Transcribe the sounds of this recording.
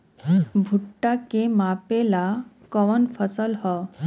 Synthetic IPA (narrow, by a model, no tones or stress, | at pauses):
bʱuʈːakemapela | kɔʋənfʰəsəlhɔ